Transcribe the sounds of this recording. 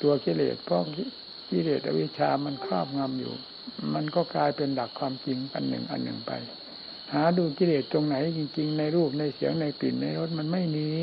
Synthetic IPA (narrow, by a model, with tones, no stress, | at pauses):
t̪u˧ɐki˧˩lḛː˨˩t̪̚pʰɔ˧˥ | ki˧˥˨leː˨˩t̪ʔa̰˧wi˦˥˩t͡ɕʰaː˧ma˧˨nkʰɾɔː˥˩p̚ŋa˧mjṵː˨˩ | ma˧nkɔː˧˥˩kaː˧jpe˧nda˨˩kʰwaː˧mki˧ŋʔa̰˧nːɯ̰˨˩ŋʔa̰˧nːɯ̰˨˩ŋpa̰˧j | haː˨˦duː˧ki˧˨leː˨˩t̪̚ːo˧ŋna˨˩˦jki˧ŋt͡ɕi˧ŋna˧jɾuː˥˩p̚na˧jsi˨˦ɐwna˧jpi˨˩nːa˧jɾo˦˥t̪̚ma˧˥nma˥˩jniː˧